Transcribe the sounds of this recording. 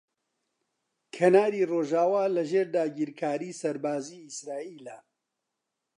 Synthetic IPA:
kʰɐnaːɾiːroːʒaːwaːlɐʒeːɾd̪aːɡiːɾkʰaːɾiːsɐɾbaːziːsɾaːiːlɐ

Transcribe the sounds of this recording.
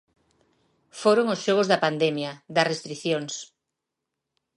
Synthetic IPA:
foɾoŋosʃɔɣ̞ozðɐpand̪ɛmjɐðɐsrest̪ɾiθjoŋs

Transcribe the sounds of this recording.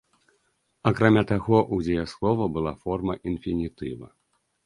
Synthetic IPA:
akɾamʲat̪aɣɔʔuzʲejɛslˠɔvɐbɨlˠafɔrmɐʔinfʲinʲit̪ɨvɐ̰

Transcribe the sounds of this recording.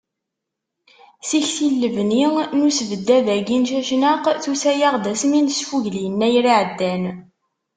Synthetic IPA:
siçθilːəvninusvəd̪ːæðæɡinʃæʃnəqθusæjəʁd̪æsminsfuʝlijənːæjɾiʕəd̪ːæn

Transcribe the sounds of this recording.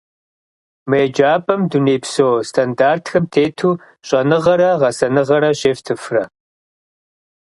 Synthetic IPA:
mɐjɛd͡ʒaːpʼɐmduneːpsoːstʰandaːrtʰxɐmtʰeːtʰuː | ɕʼɐnɨʁɐɾɐʁɐsɐnɨʁɐɾɐɕeːftʰɨfrɐ̰

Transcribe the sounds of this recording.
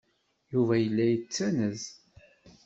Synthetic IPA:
juvæjəlːæjət͡sːænəz

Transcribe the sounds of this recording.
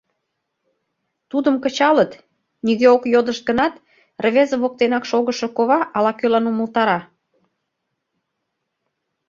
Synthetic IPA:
t̪ud̪əmkə̆t͡ɕɑlət̪ | niɣeokjod̪əʃt̪̚ɡənɑt̪ | rəβezə̆βok̚t̪enɑkʃoɣəʃŏkoβɑʔɑlɑkølɑnuməlt̪ɑɾɑ

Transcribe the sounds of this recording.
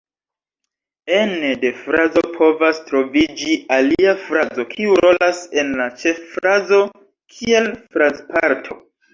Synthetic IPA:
enede̞fɾazo̞pʰo̞vastɾo̞vid͡ʒialiafɾazo̞kʰiuɾo̞lase̞nlat͡ʃe̞fːɾazo̞ | kʰie̞lfɾazpaɾtʰo̞̰

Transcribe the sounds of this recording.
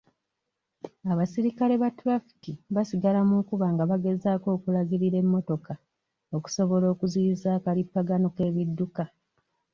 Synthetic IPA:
aβasiɾikale̞βatɾafi̥kiβasiɡalamukuβaŋɡaβaɡe̞zaːko̞ːkulaɡiɾiɾe̞mːo̞to̞ka | o̞ku̥so̞βo̞lo̞ːkuziːzaːkalipːaɡano̞ke̞ːβidːuka

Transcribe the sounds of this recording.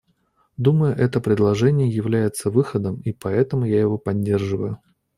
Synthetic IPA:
d̪uməjʊʔɛt̪əpɾʲɪd̪lˠɐʐɛnʲɪjəjɪvlʲæjɪt̪səvɨxəd̪əmipɐɛt̪əmʊjajɪvo̞pɐdʲːe̞rʐɨvəjʊ

